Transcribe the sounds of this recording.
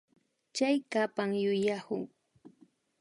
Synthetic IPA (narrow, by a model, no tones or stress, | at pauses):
t͡ʃajkapaŋjʊjahʊŋ